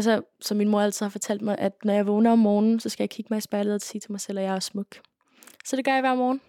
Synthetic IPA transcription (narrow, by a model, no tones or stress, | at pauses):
ælsɒsɒ̽mːinmoɐælt͡sʰið̩ˠhɑ̈fɒ̽t͡sʰæl̰d̥mɑ̈ɪʔæd̥nɒjɑ̈ɪʋɔ̽ːnɐɒ̽mːɒːnn̩sɒ̽sɡ̥æjɑ̈kʰiɡ̥əmɑ̈ɪisb̥ɑ̈ɪləð̩ˠsiːt͡sʰe̝mɑ̈ɪsel̰ɒjɑ̈ɪæɐsmɔ̽ɡ̥ | sɒ̽d̥e̝ɡ̥ɶɐjʋæɐmɒːn̩